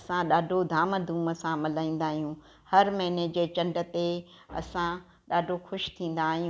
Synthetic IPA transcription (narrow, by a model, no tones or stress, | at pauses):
ɐsãɗaːɖʱod̪ʱaːməd̪ʱuːməsãmɪlaːĩːn̆d̪aːɦijũ | hɐɾmɐɦɪned͡ʑeːt͡ɕɐ̃ɳɖə̆t̪e | ɐ̰sã | ɗaːɖʱoxʊʃt̪ʰĩːn̆d̪aːɦijũ